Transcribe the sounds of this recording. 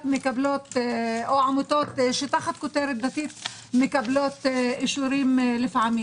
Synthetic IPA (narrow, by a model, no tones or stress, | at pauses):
mɪkabloːt̪ʔoʕamʊt̪oːt̪ʃɪt̪axat̪kʊt̪eːɾd̪at̪iːt̪ | mɪkabloːt̪ʔɪʃuɾiːmlɪfʕamiː